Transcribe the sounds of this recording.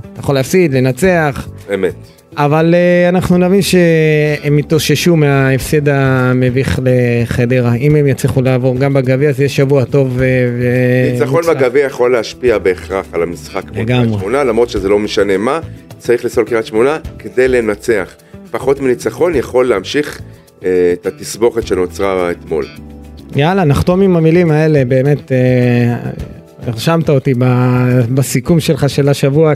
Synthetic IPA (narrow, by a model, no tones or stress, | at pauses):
tajaχoleːfsid̪le̞nat͡se̞aχ | emet | avaleanaχnunavinʃe̞emitoʃeʃumeaefsed̪ameviχleχed̪eʁaimemjat͡sliχulaːvo̞ʁɡambaɡaviazjeʃavuato̞vveit͡saχo̞nmaɡaviajaχo̞leaʃpiabeːχʁaχalamisχakleɡamʁeonalamʁo̞t̪ʃezelomeʃane̞mat͡saʁiχliso̞lkiʁatʃmonaked̪e̞jle̞nat͡seaχ | paχo̞t̪milit͡saχo̞njaχo̞lːeamʃiχː | t̪at̪isbo̞χet̪ʃeno̞t͡sʁaet̪mo̞̰ljalanaχt̪o̞mimamilimae̞le̞be̞ːme̞t̪e | eʁʃamt̪aot̪ibabasikumʃelχaʃelaʃavua